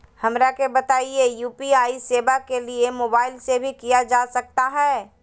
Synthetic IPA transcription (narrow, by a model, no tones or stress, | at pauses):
hɐmɾakebɐt̪aːiejuːpiaːiseːbakeliemoːbaːɪlsebʱikijad͡ʒaːsɐk̚t̪aɦɛː